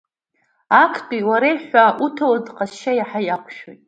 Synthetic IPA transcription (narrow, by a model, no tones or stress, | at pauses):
akʰtʼiwaɾejħʷaʔutʰawadqʼaʃajaħajaqʷʰʃᶣo̰jtʼ